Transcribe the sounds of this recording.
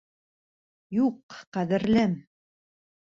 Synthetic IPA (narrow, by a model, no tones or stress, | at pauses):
juqqæðɘ̆ɾlɘm